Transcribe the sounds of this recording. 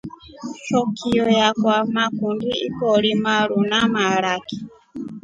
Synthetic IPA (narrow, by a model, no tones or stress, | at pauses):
t͡ʃɔkʰiɔjakwamakundiḭkɔlimaɺunamaɾaki̥